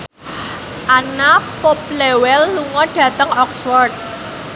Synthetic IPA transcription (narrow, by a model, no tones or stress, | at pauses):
ʔanapop̚lewɛlːuŋɔɖ̥ä̤t̪əŋɔkswɔrt̪̚